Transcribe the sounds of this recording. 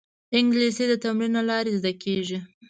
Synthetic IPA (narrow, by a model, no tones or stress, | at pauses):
ɪŋɡlesed̪ət̪amɾinalɑɾezd̪akʰeʒi